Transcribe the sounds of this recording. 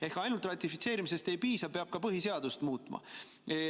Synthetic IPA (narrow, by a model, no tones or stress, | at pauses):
e̞hkɑjnult̪ˑrɑt̪ʲːˑifit̪se̞ːɾimise̞st̪e̞jpiːsɑpeɑb̥̚kɑpɤɦise̞ɑd̪̥ust̪muːt̪ˑmɑ̰